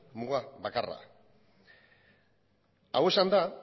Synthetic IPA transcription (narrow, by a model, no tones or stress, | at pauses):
muɣaβakara̰ | awe̞sand̪a